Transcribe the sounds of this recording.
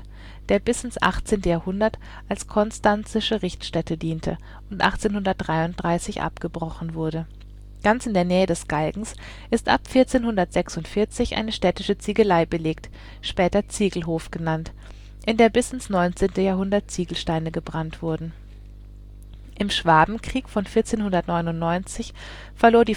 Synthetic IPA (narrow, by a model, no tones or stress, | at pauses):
d̥eːɐbɪsɪnsʔa̰χt͡seːntəjaːɐhʊndɐt | ʔalskʰɔnstant͡sɪʃəʁɪçtʃtɛtədiːntʰə̰ | ʔʊntʔa̰χt͡seːnhʊndɐt̚d̥ʁaɪʊnt̚d̥ʁaɪsɪçʔa̰pɡ̥əbʁɔχn̩vʊɐdə | ɡ̥ant͡sɪndeːɐnɛːədɛsɡ̥alɡŋ̩s | ʔɪstʔa̰pfɪɐt͡seːnhʊndɐtz̥ɛksʊntfɪɐt͡sɪçʔa̰ɪnəʃtɛtɪʃət͡siɡəlaɪbəleːk̚t | ʃpɛːtɐt͡siːɡl̩ɦoːfɡ̥ənant | ʔɪndeːɐbɪsɪnsnɔʏnt͡seːntəjaːɐɦʊndɐt̚t͡siːɡl̩ʃtaɪnəɡəbʁantv̥ʊɐdn̩ | ʔɪmʃv̥aːbm̩kʁ̥iːkfɔnfɪɐt͡seːnhʊndɐtnɔʏnʊntnɔʏnt͡sɪç | fɛɐloːɐdiː